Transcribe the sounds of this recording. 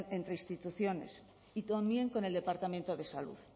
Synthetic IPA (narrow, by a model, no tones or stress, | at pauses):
ne̞nt̪ɾeist̪it̪uθjo̞ne̞̰s | it̪ambje̞ŋko̞neld̪e̞paɾt̪amẽ̞nt̪oðe̞salṵθ